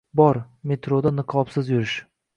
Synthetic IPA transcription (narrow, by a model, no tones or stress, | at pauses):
bɒɾ | me̞t̪ɾod̪anɨqʰɒpsɪzjʊɾɪʃ